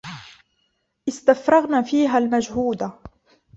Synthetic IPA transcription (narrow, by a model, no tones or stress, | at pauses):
ʔɪst̪afɾˤɑɣnaːfiːɦalmad͡ʒhuːd̪a